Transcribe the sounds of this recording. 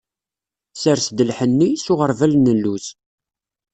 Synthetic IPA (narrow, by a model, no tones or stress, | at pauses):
səɾsd̪əlħənːisʊʁəɾˤvælnəlːus